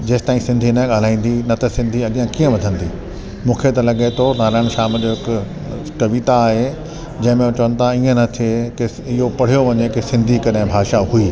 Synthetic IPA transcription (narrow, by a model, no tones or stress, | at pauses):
d͡ʑeːst̪aːĩsɪ̃nd̪ʱinɐɠaːl̤aːĩːn̆d̪inɐt̪ɐsɪ̃nd̪ʱiɐɠjãkiːə̃ʋɐd̪ʱə̃nd̪iː | mũːkʰet̪ɐlɐɠet̪ʰonaːɾaːɪɽ̃ʃaːmd͡ʑoɦɪk | kɐʋit̪aːɦe | d͡ʑɐ̃ɦɪ̃mẽũt͡ɕɐʋən̆t̪ʰaiːə̃nɐt̪ʰieke | ɪɦopɐɽ̤ijoʋɐɲekesɪ̃nd̪ʱikɐɾẽbʱaːʃaɦuiː